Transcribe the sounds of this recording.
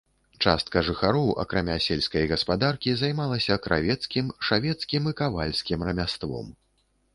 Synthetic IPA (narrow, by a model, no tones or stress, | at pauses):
t͡ʂa̰st̪̚kɐʐɨxaɾɔwʔɐ̰kɾamʲasʲɛlʲsʲkɐjɣɐspad̪arkʲizajmalˠɐsʲɐkɾʔa̰vʲɛt̪skʲimʂavʲɛt̪skʲimɨkavalʲsʲkʲimrɐmʲast̪vɔ̰m